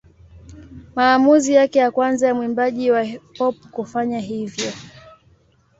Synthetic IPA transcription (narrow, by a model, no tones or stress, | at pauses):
maːmuzijakɛjakwanzajamwimbaʄiwapɔp̚kufaɲaɦivjɔ